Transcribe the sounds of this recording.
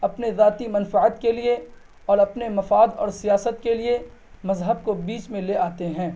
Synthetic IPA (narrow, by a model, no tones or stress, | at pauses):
ɐpnezaːt̪imɐ̃nfɪʕət̪kelie | ɔːɾɐpnemɐfaːd̪ɔ̰ːɾsijaːsət̪keliemɐzɦəbkobiːt͡ʃmẽleʔaːt̪eɦɛ̃ː